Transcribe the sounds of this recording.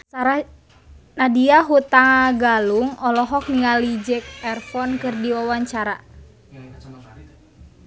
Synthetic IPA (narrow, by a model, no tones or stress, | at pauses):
saɾa | nadiaɦut̪aŋaɡaluŋɔlɔɦɔk̚niŋalid͡ʒɛk̚ɛrfɔnkɨrdiwawaɲt͡ʃaɾa